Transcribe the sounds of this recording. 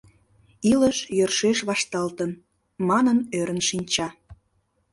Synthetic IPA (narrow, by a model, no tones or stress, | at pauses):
iləʃjørʃeʃβɑʃt̪ɑlt̪ən | mɑnənøɾənʃinʲt͡ɕɑ